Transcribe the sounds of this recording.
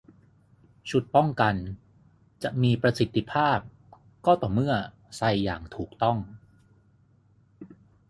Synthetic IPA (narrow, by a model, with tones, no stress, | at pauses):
t͡ɕʰu˨˩t̪̚pɔ˥˩ŋka˧n | t͡ɕa˨˩ʔmiː˧pɾa˧si˨˩t̪ːi˧˩pʰaː˥˩p̚ | kɔː˥˩t̪ɔː˨˩mɯ˥˩ɐ | sa˧jːa̰ː˨˩ŋt̪ʰuː˨˩k̚t̪ɔ˥˩ŋ